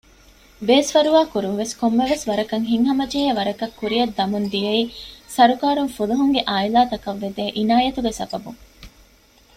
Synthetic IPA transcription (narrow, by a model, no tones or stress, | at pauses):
beːsʋɐɾuʋaːkuɾunʋeskomːeʋesʋɐɾɐkɐŋɦiŋɦɐmɐd͡ʒeːeʋɐɾɐkɐkːuɾiɐd̪ːɐmund̪ijɐiːsɐɾukaːɾuŋfuluɦuŋɡeʔaːilaːt̪ɐkɐʋːed̪eːʔinaːjɐt̪uɡesɐbɐbuŋ